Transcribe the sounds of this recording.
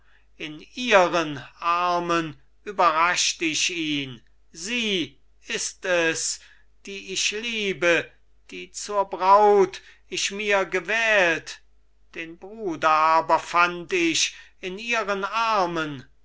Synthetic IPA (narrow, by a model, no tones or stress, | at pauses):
ʔɪniːʁənʔaɐmən | ʔyːbɐʁaʃtəɪʃiːn | ziː | ɪstɛs | d̥iːʔɪʃliːbə | d̥iːt͡suːɐbʁaʊt | ɪʃmiːɐɡəvɛːlt | d̥eːnbʁuːdɐʔaːbɐfantɪʃ | ɪniːʁənʔaɐmən